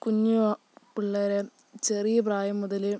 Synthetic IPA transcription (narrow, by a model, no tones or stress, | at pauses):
kuɲːuʋɐ | piɭːɐːɾe | t͡ɕerijɐp̬raːjɐmːuðɐle